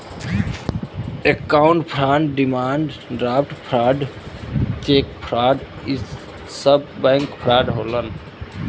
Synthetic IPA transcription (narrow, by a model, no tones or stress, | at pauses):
ekːawɳʈpʰɾaɳɖɖimaɳɖɖɾapʰʈpʰɾaɖ | t͡ʃekpʰɾaɖ | i | səbːɛ̃ŋkpʰɾaɖɦolən